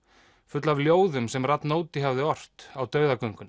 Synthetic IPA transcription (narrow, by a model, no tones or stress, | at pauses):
fʏt̪lavljoːwðʏmsɛmrat̪noːwt̪ɪɦavðɪɔr̥t̪awt̪œːɥðakœɥŋkʏn